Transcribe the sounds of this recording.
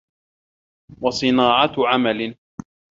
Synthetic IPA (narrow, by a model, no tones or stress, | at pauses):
wɑsˤɨnaːʕɑʕamalɪ